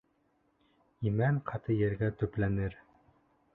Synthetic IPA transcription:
imæɴqʰɑt̪ɤjɘ̆ɾɡæt̪ɵ̆plænɘɾ

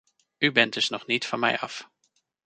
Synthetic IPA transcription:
ybɛn̚d̥ɵsnɔχnitfɑnmɛ̰jɑf

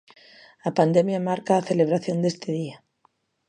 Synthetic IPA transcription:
apand̪emjamaɾkaːθe̞le̞β̞ɾaθjo̞nd̪e̞st̪eð̞ia

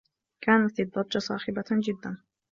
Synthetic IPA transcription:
kaːnat̪id̪ˤːɑˤd͡ʒɑsˤɑ̰ːxɪbad͡ʒɪd̪ːan

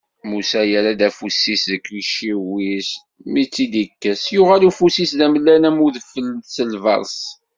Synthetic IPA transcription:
musæjæɾæd̪æfusːisðəkːiʃiwis | mit͡sːid̪ikːəsjʊʁælufusisðæməlːænæmuðəfələmθsəlvɑ̰ɾˤs

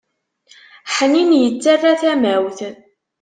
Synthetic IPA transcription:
ħəninjət͡sːarːaθæmæwθ

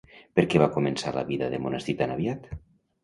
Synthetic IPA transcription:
peɾkɛβakumensalə̰βiðəðemunəst̪it̪anaβjat̪

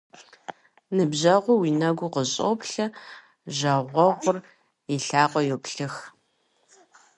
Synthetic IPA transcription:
nɨbʑɐʁʷʊwiːnɐɡʷʊqəɕʼo̰pɬɐ | ʒɐʁʷɔʁʷʊr | iɬaːqʷʼɔjɛpɬɨx

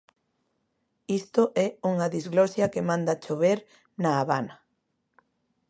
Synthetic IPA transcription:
ist̪oʔɛuŋɐðizɣlɔsjɐkemãnd̪ɐt͡ʃoβeɾ | naːβa̰nɐ

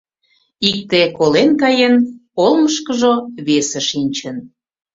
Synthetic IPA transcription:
ik̚t̪ekolenkɑjenolməʃkəʒoβesə̆ʃinʲt͡ɕən

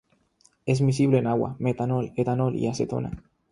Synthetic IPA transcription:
ezmisiβleenaɣwa̰met̪anolet̪anolʔḭaset̪o̰na̰

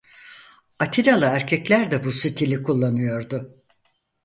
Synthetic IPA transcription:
at̪ʰiɾalˠaæɾcʰɛclʲæɾd̪ɛbusit̪ʰilʲikʰulˠːanɯjo̞ɾd̪ʊ

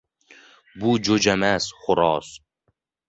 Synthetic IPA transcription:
buːd͡ʒod͡ʒamæsχʊɾɔːs

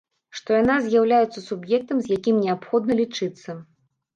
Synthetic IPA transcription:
ʂt̪ɔjanazʲjawlʲajɛt̪sːɐsubjɛk̚t̪ɐmzʲjakʲimnʲɛapxɔd̪̚nɐlʲit͡ʂɨt̪sːɐ

